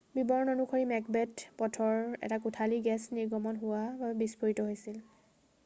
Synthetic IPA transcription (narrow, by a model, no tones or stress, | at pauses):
bibɔɹnɔnukʰɔɹimɛk̚bɛtpɔtʰɔɹɛ̰takutʰaliɡɛsniɹɡɔmɔnɦʊwababɛbispoɹitɔɦojsil